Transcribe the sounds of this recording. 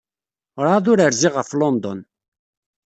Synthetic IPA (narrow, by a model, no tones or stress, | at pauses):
ɾˤaðʊɾəɾziʁəflɔnd̪ɔ̰n